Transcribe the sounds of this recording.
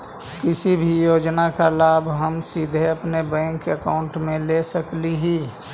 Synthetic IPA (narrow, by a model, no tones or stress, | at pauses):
kɪsibʱijoːd͡ʒnakalaːbɦəmsid̪ʱeəpnebɛ̃ːŋkəkaʊ̃ɳʈmẽlesəkliɦi